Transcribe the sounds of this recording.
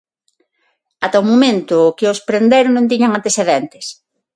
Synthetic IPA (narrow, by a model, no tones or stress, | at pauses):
at̪aomomẽnt̪ʊkɪospɾend̪eɾonõnt̪̬iɲaŋant̪esθeðɛnt̪e̥s